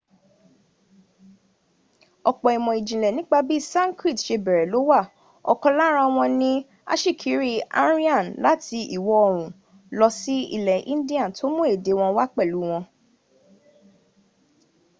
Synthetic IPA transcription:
ɔ˧k͡pɔ˨i˨mɔ̃˨i˨d͡ʒĩ˨lɛ˨nĩ˨˦ɡ͡ba˧bi˦sã˦ŋ˦kɾi˦˨tʃe˧bɛ˨ɾɛ˨lo˨˦wa˦˨ | ɔ̰˧kɔ˧la˦ɾ̃ã˧w̃ɔ̃˧nĩ˦ | a̰˦ʃi˦˨kʰi˨˦ɾi˦a̰˦ɾi˦ã˦˨nla˦tʰi˧ʔḭ˦˨wɔ˨˦ɔ˧ɾ̃ũ˨ | lɔ˧si˦ḭ˦˧lɛ˨ʔḭ̃˦n˦di˦ã˦˨tʰo˦mũ˦e˦˨de˨˦w̃ɔ̃˧wa˦k͡pɛ˦˨lu˨˦w̃ɔ̃˧

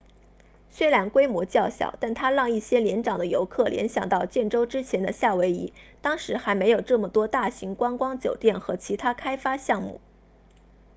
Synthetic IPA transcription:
ɕɥɛ˥la˧˥nkwe˥ɪmwɔ˧˥t͡ɕjɑ˥˩ʊɕjɑ̰˨˩ʊt̪a˥˩nt̪ʰa˥ɻɑ˥˧ŋi˥˩ɕjɛ˥ljɛ˧˥nʈ͡ʂɑ˨˩ŋd̪ə˦jo˧˥ʊkʰɤ˥˩ljɛ̰˧˥nɕjɑ˨˩ŋt̪ɑ˥˧ʊt͡ɕjɛ˥˩nʈ͡ʂo˥ʊʈ͡ʂɻ̩˥t͡ɕʰjɛ˧˥nd̪ə˧ɕja˥˩we˧˥ɪḭ˧˥t̪ɑ˥ŋʂɻ̩˧˥xa˧˥ɪme˧˥ɪjo˨˩ʊʈ͡ʂɤ˥˩mə˩t̪wɔ˥t̪a˥˩ɕi˧˥ŋkwa˥ŋkwɑ˥ŋt͡ɕjo˨˩ʊt̪jɛ˥˩nxɤ˧˥t͡ɕʰi˧˥t̪ʰa˥kʰa˥ɪfa˥ɕjɑ˥˧ŋmṵ˥˩

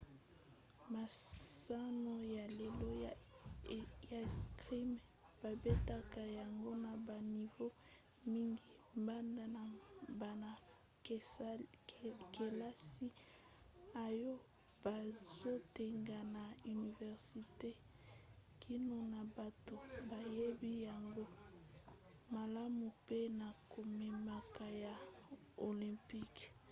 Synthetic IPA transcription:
ma˨sa˦no˦ja˨le˨lo˦ | ja˨skʁi˦m | b̥a˨be˦ta˦ka˨ja˨ŋɡo˦na˨ba˨ni˨vo˦ | mi˦ŋɡi˨mba˦nda˨na˨ba˨na˨˦ | ke˨la˦si˦ | a˨jo˦ | b̥a˨zo˦te˨ŋɡa˨na˨y˨ni˨vɛ˨ʁsi˨te˦ | kʰi˦no˨na˨ba˨to˨ba˨je˦bi˦ja˨ŋɡo˦ | ma˨la˦mu˨pe˦na˨ko˨me˨ma˨ka˨ja˨ | o˨lĩ˨mpi˦k

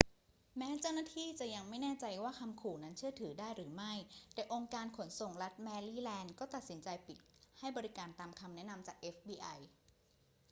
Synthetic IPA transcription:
mɛː˦˥t͡ɕa˥˩wnaː˥˩t̪ʰiː˥˩t͡ɕa˨˩ja˧ŋma˥˩jnɛː˥˩t͡ɕa˧jwaː˥˩kʰa˧mkʰuː˨˩na˦˥nt͡ɕʰɯ˥˩ət̪ʰɯː˩˦daː˥˩jɾɯː˩˦ma˥˩jt̪ɛː˨˩ʔo˧ŋkaː˧nkʰo˩˦nso˨˩ŋɾa˦˥t̪̚mɛː˧liː˥˩lɛː˧nkɔː˥˩t̪a˨˩t̪̚si˩˦nt͡ɕa˧jpi˨˩t̪̚ha˥˩jbɔː˧ɾi˦˥kaː˧nt̪aː˧mkʰa˧mnɛ˦˥na˧mt͡ɕaː˨˩k̚ʔe˦˥fbiː˧ʔa˧j

